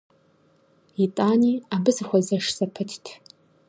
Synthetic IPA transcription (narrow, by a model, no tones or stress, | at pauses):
itʼaniabɨzχʷazaʂsapʰɨtʰtʰ